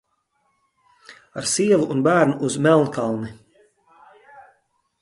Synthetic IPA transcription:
aɾsiɛvuʔːnbæːɾnuʔuzmɛlˠnk̪alˠni

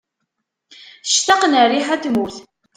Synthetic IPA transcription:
ʃt̪ɑqnəriħæt̪muθ

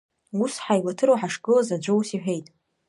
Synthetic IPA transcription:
usħajlatʰɨɾowħaʂɡʼɨlazad͡ʒʷɨwusiħʷᶣe̞jtʼ

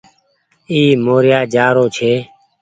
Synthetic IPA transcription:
iːmoːɾjaːd͡ʒaːɾoːt͡ʃʰeː

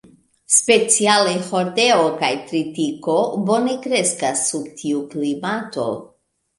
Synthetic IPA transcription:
spe̞t͡sialeho̞ɾdeokajtɾitiko̞bo̞ne̞kɾe̞skasːubtʰiuklimato̞̰

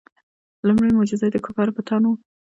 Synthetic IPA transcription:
lumɽəjmʊd͡ʒɪzad̪əkʰopaɾpət̪ʰɑno

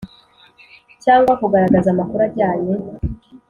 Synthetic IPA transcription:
caːŋɡwakuɡaɾaɡazamakuɾaɟaːɲe

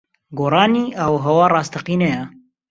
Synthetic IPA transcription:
ɡoːrˤɑːniːʔɐwɦɐwɑːrˤɑːst̪ʰɐqiːnɛjɛ

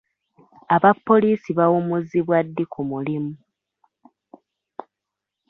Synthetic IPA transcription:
aβapːo̞liːsiβawomuziβwadːikumulimu

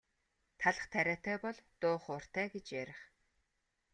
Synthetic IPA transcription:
t̪ʰaɮə̆χt̪ʰæɾʲæːt̪æːpɔɮt̪ʊːχʊr̥t̪æːɡet͡ɕjæɾʲɪ̆χ

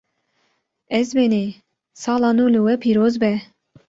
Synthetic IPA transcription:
ɛzbɛne | sɑːlɑːnulɨwɛpʰiːɾoːzbɛ

